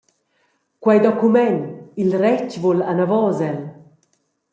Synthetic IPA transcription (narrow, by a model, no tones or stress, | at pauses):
kwajd̪ɔkumɛnilɾɛt͡ʃvolanavɔzɛl